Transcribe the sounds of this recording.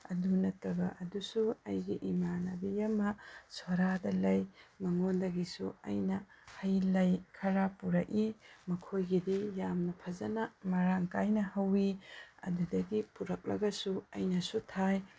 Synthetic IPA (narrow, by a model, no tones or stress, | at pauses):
ɐ̰dunɐtɐbɐʔɐdusuɐjɡiʔimanɐbijɐmɐswɐɾadɐlɐjmɐŋondɐɡisuɐ̰jnɐ | hɐjlɐjkʰɐɾapuɾɐk̚imɐkʰojɡidijamnɐpʰɐzɐnɐmɐɾaŋkajnɐhɐwiɐ̰dudɐɡipuɾɐk̚lɐ̰ɡɐsuɐ̰jnɐsutʰaj